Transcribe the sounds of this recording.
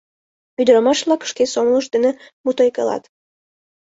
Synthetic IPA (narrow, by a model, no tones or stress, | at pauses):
yd̪əɾɑmɑʃβlɑkə̥ʃkesomlˠəʃd̪ə̆nemut̪ojkə̰lɑ̰t̪